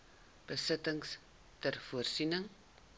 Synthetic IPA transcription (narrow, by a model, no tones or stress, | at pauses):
b̥əsətəŋs | tərfuərsinəŋ